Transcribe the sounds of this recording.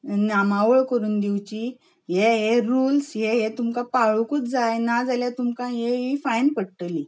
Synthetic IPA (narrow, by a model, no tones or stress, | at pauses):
namaʋəɭkəɾuːnd̪iwt͡ɕi | jeɦeɾulsɦeɦet̪umkãpaɭukut͡sd͡zajnad͡zaljat̪umkãɦeɦifajnpəɽʈəli